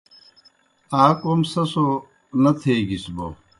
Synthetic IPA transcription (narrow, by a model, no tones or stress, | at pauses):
aːkomsɐso | nɐt̪ʰeːɡisbo̰